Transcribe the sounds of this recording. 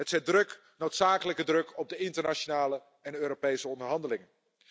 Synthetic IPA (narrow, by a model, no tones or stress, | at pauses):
ətsɛt̚drɵk | nowtsaːkələkədrɵkɔb̚dəɪntəɹnat͡ʃonaːlə | ɛnøːɾopejsəɔndəɹɦɑndəlɪŋən